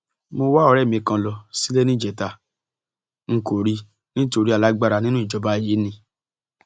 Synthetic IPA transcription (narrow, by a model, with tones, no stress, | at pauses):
mo˧wa˦ɔ˧ɾɛ˦˨mĩ˧˨kã˧lɔ˧si˦le˦nĩ˦˨d͡ʒɛ˨ta˧ | ŋ̩˦ko˨ɾi˧ | nĩ˦to˧ɾi˦a˨la˦ɡ͡ba˦˧ɾa˧nĩ˦nũ˦i˦˨d͡ʒɔ˧˦ba˦i˨ji˨˦nĩ˧˦